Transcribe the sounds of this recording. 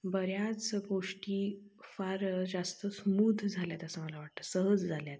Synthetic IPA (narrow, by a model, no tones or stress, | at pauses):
bəɾjat͡sɡoʂʈiː | faɾd͡zast̪əsmud̪ʱd͡zʱaljat̪asəməlaʋaʈ̚t̪əsəɦəd͡zd͡zʱaljat̪̚